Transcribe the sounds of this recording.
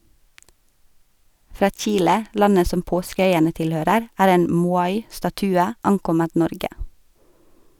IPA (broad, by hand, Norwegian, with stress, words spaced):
ˈfɾɑː ˈc͡çiːlə ˈlɑnə ˈsɔm ˈpoːskəˌœʏənə ˈtɪlˌhøːɾəɾ ˈæːɾ ˈeːn ˈmuːɑɪ stɑˈtʉːə ˈɑŋˌkɔmət ˈnɔɾɡə